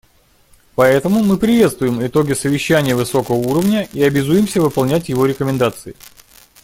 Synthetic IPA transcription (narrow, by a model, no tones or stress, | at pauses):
pɐɛt̪əmʊmɨpɾʲɪvʲe̞t̪st̪vʊjɪmɪt̪o̞ɡʲɪsəvʲɪɕːænʲɪjəvɨso̞kəvəuɾəvnʲəʔiɐbʲɪzujɪmsʲəvɨpɐlˠnʲætʲjɪvo̞ɾʲɪkəmʲɪnd̪at̪sɨɪ